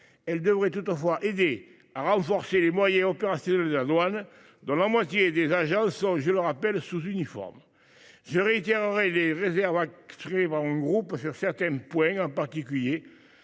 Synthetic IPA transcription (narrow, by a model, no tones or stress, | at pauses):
ɛld̪əvʁet̪ut̪əfwaʔed̪e | aʁɑ̃fɔʁselemwajɛ̃ɔpeʁasjɔnɛld̪əlad̪wan | d̪ɔ̃lamwat̪jed̪ezaʒɑ̃sɔ̃ʒələʁapɛlsuzynifɔ̰ʁm | ʒəʁeit̪eʁəʁeleʁezɛʁvakst̪ʁeepaʁɛ̃ɡʁupsyʁsɛʁt̪ɛ̃mpwɛ̃ɑ̃mpaʁt̪ikylje